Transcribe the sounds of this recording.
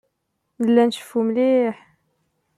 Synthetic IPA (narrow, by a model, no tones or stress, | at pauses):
nəlːænʃə̥fːumliħ